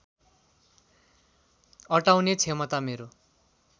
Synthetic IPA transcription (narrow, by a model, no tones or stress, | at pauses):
ʌʈawnet͡sʰemʌt̪ameɾo